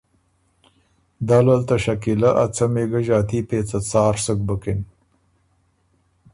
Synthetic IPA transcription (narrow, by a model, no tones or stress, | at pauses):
d̪alalt̪aʃɐkilaʔat͡sameɡaʒɑːt̪ipeːt͡sat͡sɑːɾsək̚bəkɪn